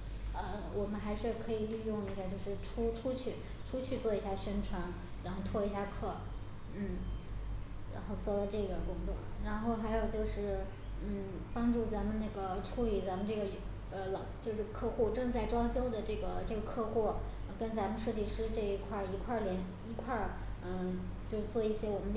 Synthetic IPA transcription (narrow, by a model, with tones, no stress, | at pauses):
ə˧ | wʔɔ˨˩mə˦nxa˧˥ɪʂɻ̩˥˩kʰɤ˧˥i˨˩ly˥˧jʊ˥˧ŋi˥˩ɕja˥˧t͡ɕjo˥˧ʊʂɻ̩˥˩ʈ͡ʂʰu˥ʈ͡ʂʰu˥t͡ɕʰy˥˩ | ʈ͡ʂʰu˥t͡ɕʰy˥˧t͡swɔ˥˩i˧˥ɕja˥˩ɕɥɛ˥nʈ͡ʂʰwa˧˥n | ɻa˧˥nxo˥˩ʊt̪ʰwɔ˥˩i˧˥ɕja˥˧kʰɤ˥˩ | n̩˥˩ | ɻa̰˧˥nxo˥˧ʊt͡swɔ˥˩lə˩ʈ͡ʂɤ˥˩ɡə˩kʊ˥ŋt͡swɔ̰˥˩ɻa˧˥nxo˥˩ʊxa˧˥ɪjo˨˩ʊt͡ɕjo˥˧ʊʂɻ̩˥˩ | n̩˥˩ | pɑ˥ŋʈ͡ʂu˥˩t͡sa˧˥nmə˧nnə˥˩ɡə˩ʈ͡ʂʰu˧˥li˨˩t͡sa˧˥mə˧nʈ͡ʂɤ˥˩ɡə˩˥ | ə˧lɑ˨˩t͡ɕjo˥˧ʊʂɻ̩˥˧kʰɤ˥˧xu˥˧ʈ͡ʂɤ˥˧ŋt͡sa˥˩ɪʈ͡ʂwɑ˥ŋt͡ɕjo˥ʊd̪ə˨ʈ͡ʂɤ˥˩ɡə˩ʈ͡ʂɤ˥˩ɡə˩kʰɤ˥˧xwɔ˥˩˧ | kə˥nt͡sa˧˥mə˧nʂɤ˥˧t̪i˥˩ʂɻ̩˥ʈ͡ʂɤ˥˩i˧˥kʰwa˥˩i˧˥kʰwa˥˩ljɛ˧˥n | i˧˥kʰwa˥˩ | ə˧ | t͡ɕjo˥˧ʊʂ̩˥˩t͡swɔ˥˧i˥˩ɕjɛ˥wɔ˨˩mə˦n